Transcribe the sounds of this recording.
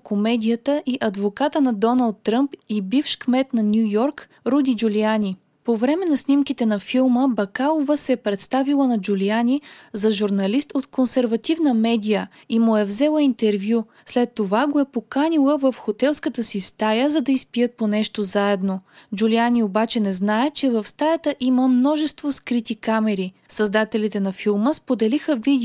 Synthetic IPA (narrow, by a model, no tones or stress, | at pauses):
komɛd̪ʲijət̪əʔiʔɐd̪vokat̪ənɐd̪ɔnɐlˠt̪ːɾəmpibifʃkmɛt̪nɐnʲjujɔɾk | ɾud̪id͡ʒuliani | povɾɛmɛnɐsnimk̟it̪ɛnɐfilˠməbɐkalˠovəsɛːpɾɛt̪st̪avilˠənɐd͡ʒulianizɐʒuɾnɐlist̪ot̪konsɛɾvɐt̪ivnəmɛd̪ijə | imʊɛvzɛlˠəint̪ɛɾvju | slɛt̪ːovaɡoɛpokanʲilˠəvɐfxot̪ɛlˠskət̪əsist̪ajəzɐd̪ɐispijət̪̚ponɛʃt̪ozaɛd̪nod͡ʒulianiobat͡ʃɛnɛznaɛt͡ʃɛvɐfst̪ajɐt̪əʔiməmnɔʒɛst̪voskɾit̪ikamɛɾisɐzd̪at̪ɛlit̪ɛnɐfilˠməspod̪ɛlixəvid̪ɛ